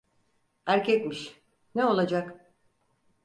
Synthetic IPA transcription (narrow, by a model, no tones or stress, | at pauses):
æɾcʰɛt̪miʃ | neo̞lˠad͡ʒak